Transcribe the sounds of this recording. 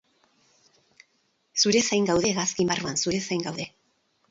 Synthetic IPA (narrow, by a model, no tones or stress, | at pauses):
suɾe̞sajŋɡawðe̞ɣaskimbaruansuɾe̞sajŋɡawðe̞